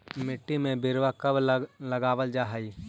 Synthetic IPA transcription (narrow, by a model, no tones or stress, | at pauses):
mɪʈːimẽbɪɾwakɐblɐɡaːʋəld͡ʒaːɦaiː